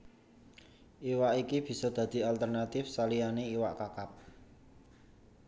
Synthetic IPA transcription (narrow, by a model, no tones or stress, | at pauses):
ʔiwaʔikib̥i̤sɔd̪̥ä̤d̪̥i̤alt̪ərnat̪ɪfsalijaneiwaʔkakap̚